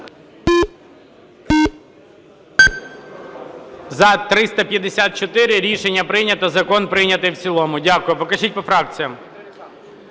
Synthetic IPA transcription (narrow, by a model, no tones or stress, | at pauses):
zɐt̪ɾɪst̪ɐpʲjɐd̪esʲat̪̚t͡ʃɔt̪ɪɾɪɾʲiʃenʲːɐpɾɪjnʲɐt̪ɐzɐkɔnpɾɪjnʲɐt̪ɪjwt͡sʲilˠɔmʊdʲakʊjɛpɔkɐt͡ʃit̚ʲpɔfɾɑk̚t͡sʲijɐm